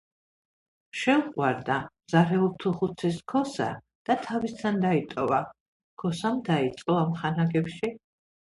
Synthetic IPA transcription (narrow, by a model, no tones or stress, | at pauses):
ʃɛuχʼwaɾd̪a | z̥aɾɛɔlt̪ʰuχut̪sʰɛskʰɔsa̰ | d̪̥at̪ʰavist̪sʰand̪ait̪ʼɔva | kʰɔsamd̪ait̪sʼqʼɔamχanaɡɛpʃi